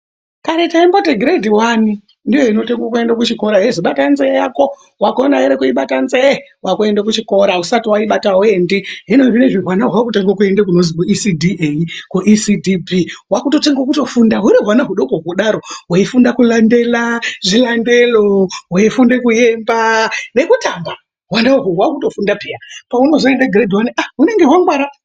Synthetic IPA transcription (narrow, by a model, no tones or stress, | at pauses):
kaɾetaimboteɡʱɾedʱiwani | ndijo̞ino̞teŋɡwokue̞ndakut͡ʃiko̞ɾaɦeziɓatanzejako | wakonaeɾekuiɓatanzewakue̞ndakut͡ʃiko̞ɾausatiwaiɓatawendiɦinoʐineʐiɦwanaɦwakuteŋɡwok̬ue̞ndekunozikuisidiʔeikuʔisidʱibʱiɦwakuto̞teŋɡokuto̞fundaɦuɾiɦwanaɦuɗokouɗaɾo̞waifundakulande̞laʐilande̞lowaifundekuje̞mbane̞kutamba | ɦwandauɦowakuto̞fundapiapauno̞zoendeɡʱiɾedʱiwaniʔaune̞ŋɡe̞ɦwaŋɡwaɾa